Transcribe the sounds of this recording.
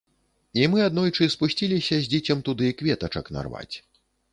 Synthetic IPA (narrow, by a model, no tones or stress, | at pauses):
imɨad̪nɔjt͡ʂɨspusʲt͡sʲilʲisʲɐzʲd͡zʲit͡sʲɐmt̪ud̪ɨikvʲɛt̪ɐt͡ʂɐkna̰rva̰t͡sʲ